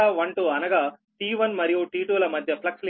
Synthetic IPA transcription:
aːʋɐɳʈuːɐnɐɡaː | ʈiːʋɐnmɐɾijuʈiːʈuːlɐmɐd̪ʱjɐplɐksl

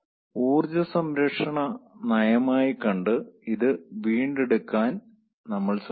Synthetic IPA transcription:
uːrd͡ʑɐsɐmɾɐkʂɐɳɐnɐjɐmaːjikɐɳɖɨiðɨʋiːɳɖeɽukːaːn | nɐmːɐɭs

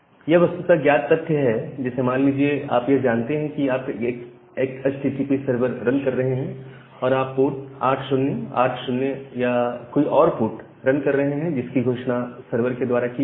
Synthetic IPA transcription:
jeʋɐst̪ut̪aɡjaːt̪̚pɐt̪ʰːjəɦɛd͡ʒɛːsemaːnliːd͡ʒiea̰ːpjeɦd͡ʒaːnt̪eɦɛ̃kiaːpeːk | eːkɛt͡ʃʈiːʈiːpisɐɾʋəɾːɐ̃nkɐɾːɐɦeɦɛ̃ | ɔːɾaːpːoːʈ̚a̰ːʈʰʃʊnnea̰ːʈʰʃʊnnejakoːiʔɔːɾfuːʈ | ɾɐ̃nkɐɾːɐɦeɦɛ̃d͡ʒɪskiɡʱoːʃnasɐɾʋəɾked̪waːɾaki

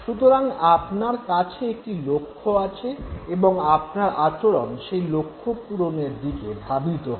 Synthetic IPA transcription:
ʃut̪oɾaŋapnaɾkat͡ɕʰeek̚ʈilokʰːoat͡ɕʰeeboŋap̚naɾat͡ɕoɾonʃejlokʰːopuɾoneɾd̪ikeb̪ʱabit̪oɦ

